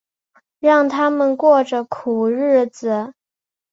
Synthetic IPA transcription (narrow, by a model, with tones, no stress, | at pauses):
ɻɑ˥˩ŋt̪ʰa˥mə˨nkwɔ˥˩ʈ͡ʂə˨˩kʰu˨˩ɻɻ̩˥˩d͡zɹ̩˨˩